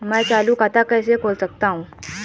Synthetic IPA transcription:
mət͡saluːkət̪akəjsekʰolsək̚t̪ãũ

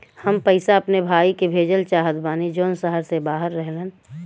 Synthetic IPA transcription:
həmpəɪsaɐpnebʱaːikebʱeːd͡ʒəlt͡ʃaɦəd̪baːnid͡ʒoːnsəɦəɾsebaːɦəɾːəɦlen

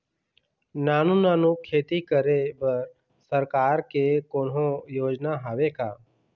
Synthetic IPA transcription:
naːnunaːnukʰeːt̪ikəɾebəɾ | səɾkaːɾkekoːnɦõjoːd͡ʒnaɦaʋekaː

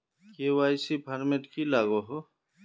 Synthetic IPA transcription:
keːwaːjsipʰɐɾmeʈkilaːɡoɦo

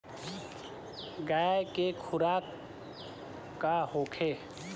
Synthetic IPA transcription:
ɡaːjkekʰʊɾaːk | ahoːkʰe

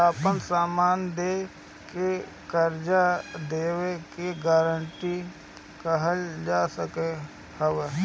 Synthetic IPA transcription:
aːpənsaːmaːnd̪e | ke | kəɾd͡ʒad̪eːwekeɡaːɾəɳʈi | kəɦəld͡ʒaːsəke | həʋe

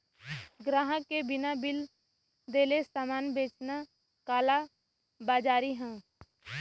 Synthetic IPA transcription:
ɡɾaːɦəkebɪnabɪl | d̪eːlesaːmaːnbeːt͡ʃna | kaːla | baːd͡ʒaːɾiɦɛ̃ː

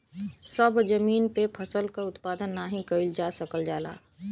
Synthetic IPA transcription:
səbd͡ʒəmiːnpepʰəsəlkaʊt̪paːd̪ənːaːɦĩkəɪld͡ʒaːsəkəld͡ʒaːla̰ː

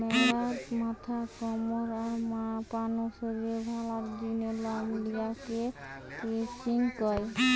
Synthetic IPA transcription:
mɔlaɾmat̪ʰakɔmɔɾaɾmapanosoɾiɾebʱalatd̪inelamliakekɾet͡ʃiŋkɔj

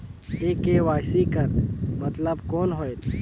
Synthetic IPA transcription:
eːkeʋaːjsikəɾmɐt̪ləbkoːnɦoːjet̪

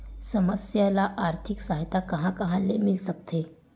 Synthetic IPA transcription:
səməsjalaʔaːɾt̪ʰiksaɦit̪akɐɦãkəɦãlemɪlsək̚t̪ʰe

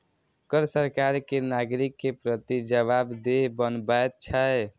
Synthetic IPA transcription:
kəɾsəɾkaɾkenaɡɾikːepɾət̪id͡ʒəβabd̪ebənbaet̪̚t͡ʃʰə

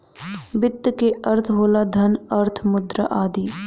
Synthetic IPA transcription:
bɪt̪ːkeəɾt̪ʰɦoːlad̪ʱənɐɾt̪ʰmʊd̪ɾaʔaːd̪iː

